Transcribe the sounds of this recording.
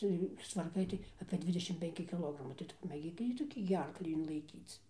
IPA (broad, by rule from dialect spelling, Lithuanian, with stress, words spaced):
ˈt͡sʲɛ juː sʊstʋɐrˈkɐɪ tɐɪ ɐpʲeː ˈdʲʋʲɪdʲɛʃʲɪm pʲɛŋʲˈkʲɪ kʲɪˈlˠoːɡrɐmɐɪ tɐɪ ˈtʊ pɐmʲeːˈɡʲiːk ˈjiː toːˈkʲiː ɡʲɪ ˈɐrklʲiː ɪnlˠɐɪˈkʲiːt͡s